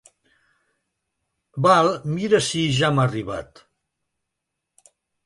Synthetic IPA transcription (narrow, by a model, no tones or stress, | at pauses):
balˠmiɾəsiʒamariβa̰t̪